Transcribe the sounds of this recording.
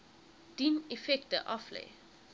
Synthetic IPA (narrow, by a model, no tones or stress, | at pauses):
d̥inefɛktəʔɐflḛj